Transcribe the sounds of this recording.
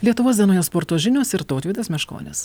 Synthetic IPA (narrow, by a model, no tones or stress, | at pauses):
lʲiɛt̪ʊʋoːsd̪ʲɛnoːjoːspoːɾt̪oːʒʲɪnʲoːsɪɾt̪oːt̪ʲʋʲiːd̪ɐsmʲɛʃko̰ːnʲɛ̰s